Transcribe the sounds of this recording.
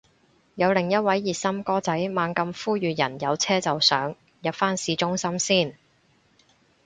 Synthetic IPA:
jɐ˨˧wlɪ˨˩ŋjɐ˥t̚wɐ˨˥jːiː˨t̚sɐ˥mkɔː˥t͡sɐ˨˥jmaː˨˧ŋkɐ˧mfuː˥jyː˨jɐ̰˨˩njɐ˨˧wt͡sʰɛː˥t͡sɐ˨wsœ̰ː˨˥ŋ | jɐ˨p̚faː˥nsiː˨˧t͡ʃʊ˥ŋsɐ˥msiː˥˩n

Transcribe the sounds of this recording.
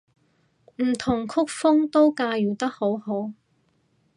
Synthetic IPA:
m̩˨˩t̪ʰʊ˨˩ŋkʰʊ˥k̚fʊ˥ŋt̪o˥wkaː˧jyː˨˩t̪ɐ˥k̚ho˨˥who˨˥w

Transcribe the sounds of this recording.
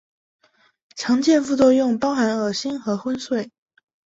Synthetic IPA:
t͡ɕʰjɑ˧˥ŋt͡ɕjɛ˥˧nfu˥˧t͡swɔ˥˧jʊ˥˩ŋpɑ˥ʊxa˧˥nɤ˞˨˩ɕi˥nxɤ˧˥xwə˥nswe˥˩ɪ

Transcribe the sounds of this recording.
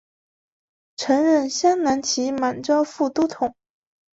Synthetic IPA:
ʈ͡ʂʰɤ˧˥ŋɻə˥˩nɕjɑ˥ŋna˧˥nt͡ɕʰi˧˥ma˨˩nʈ͡ʂjɑ˥ʊfu˥˩t̪u˥t̪ʰʊ˨˩˦ŋ

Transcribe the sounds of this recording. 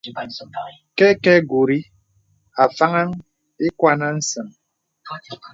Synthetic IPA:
kɛ˦kɛ˦ɡu˨ɾi˦ | a˨fa˦ŋa˦ŋ | e˦kwʷa˦na˦n̩˦sɨ˨ŋ

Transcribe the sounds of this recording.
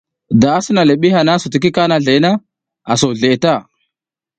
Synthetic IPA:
da˨a˦si˦na˨le˨ɓi˦ɦa˨na˦su˨ti˨k̬i˦ka˦na˨ɮe˨˦na˦ | a˨so˨ɮe˨ta˦˨

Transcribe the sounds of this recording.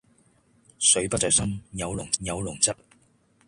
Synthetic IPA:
sɵ˨˥ɥpɐ˥t̚t͡sɔ˨˩jsɐ˥mjɐ˨˧wlʊ˨˩ŋjɐ˨˧wlʊ˨˩ŋt͡sɐ˥t̚

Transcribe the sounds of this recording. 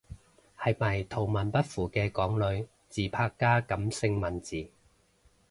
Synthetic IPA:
hɐ˨jmɐ˨˩jt̪ʰo˨˩wmɐ˨˩npɐ˥t̚fuː˨˩kɛː˧kɔː˨˥ŋlɵ˨˧ɥ | t͡siː˨˩pʰaː˧kːaː˥kɐ˨˥msɪ˧ŋmɐ˨nt͡siː˨˩

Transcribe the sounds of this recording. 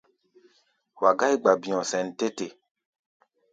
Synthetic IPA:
wa˨ɡa˦jɡ͡ba˨bĩ˨ɔ̃˨sɛ̃˨nte˦te˨

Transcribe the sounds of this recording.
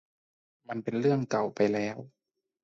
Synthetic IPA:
ma˧˥npe˨nlɯ˥˩əŋka˨˩wpa˨jlɛː˦˥w

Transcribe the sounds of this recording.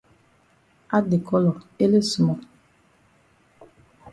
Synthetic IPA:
a˦de˨kʰɔ˦lɔ˨e˦le˦su˨mɔ˨

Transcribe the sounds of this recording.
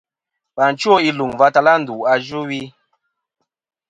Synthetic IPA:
ba˨n̩˨t͡ʃo˦i˦lu˨ŋva˦ta˦la˦n̩˨du˨a˦d͡ʒu˦wi˦

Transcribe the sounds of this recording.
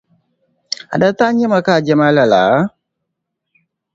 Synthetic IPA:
a̰˨da˦ta˦ɲɛ˦ma˨ka˦˨d͡ʒɛ˦ma˦la˨la˨˦

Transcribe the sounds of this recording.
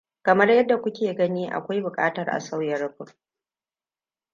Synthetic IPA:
kɐ˨mɐ˦rjɐ˦dːa˨kʷʊ˦kʲeː˨ɡɐ˦niː˦ʔa̰˨kʷa˦jbʊ˨kʼa̰ː˦tɐ˨rʔa̰˨sa˦wjɐ˨rɸʊ˨

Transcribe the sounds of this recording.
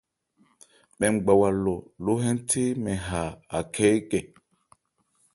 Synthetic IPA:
ɓɛ˨mɡ͡ba˨wa˨lːo˨lo˦ɦɛ˦ntʰe˦mɛ˨ɦa˨a˨kʰɛ˦jkɛ˨

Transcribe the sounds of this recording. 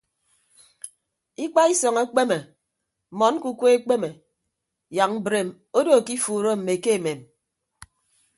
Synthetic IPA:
i˦k͡pa˦i˦sɔ˨ŋe˦k͡pe˦me˨ | mɔ˨˦n˦ku˦kʷe˦e˦k͡pe˦me˨ | ja˨ŋ̩˦bɾe˨m | o˦do˦˨ki˦fuː˨ɾo˦m̩˨me˨ke˦e˨me˨m

